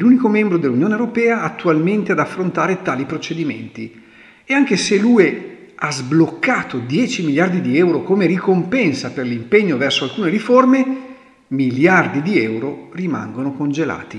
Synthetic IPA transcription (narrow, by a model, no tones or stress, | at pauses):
elunikomɛmbɾod̪elːunjoːnewɾopɛːaːt̪ːualment̪ead̪afːɾont̪aːɾet̪aːlipɾot͡ʃed̪imḛnt̪i | eaŋk̟eseluːe | azblokːaːt̪od̪jɛːt͡ʃimiljard̪id̪iɛwɾokomeɾikompɛnsaperlimpeɲːovɛrsoalkuːneɾiforme | miljard̪id̪iɛwɾorima̰ŋɡonokond͡ʒela̰ːt̪i